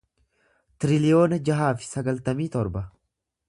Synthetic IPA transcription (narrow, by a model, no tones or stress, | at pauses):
t̪ɪɾɪlɪjoːnɐd͡ʒɐɦaːfɪ̥sɐɡɐlt̪ɐmiːt̪ɔɾbɐ